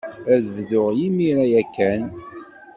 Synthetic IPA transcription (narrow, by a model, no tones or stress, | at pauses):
æðvðʊʁjimiɾæjækːæn